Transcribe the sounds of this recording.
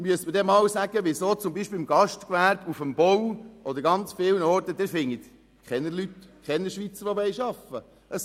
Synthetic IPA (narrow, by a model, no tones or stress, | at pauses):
myəsməɾdɛmɑːwsæɡəʋɪsoːt͡sʊmbiʃpelmɡ̥ɑʃtkʋæːɾbufəmb̥ɔwʔɔd̪əɾɡɑnt͡sfɪːwnɔɾt̪əd̪ɛfɪŋːit̪ | kχɛnːəlyt̪kχɛnːəɾʃʋit͡səɾʋɔbɛjʃɑfə | ʔəs